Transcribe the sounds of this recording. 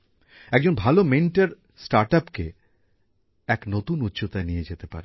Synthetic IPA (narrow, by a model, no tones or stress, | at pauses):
ɛk̚d͡ʑonbʱalomenʈaɾ | sʈaɾʈapke | ɛknot̪unut̪ːɕot̪aenijed͡ʑet̪epa̰ɾe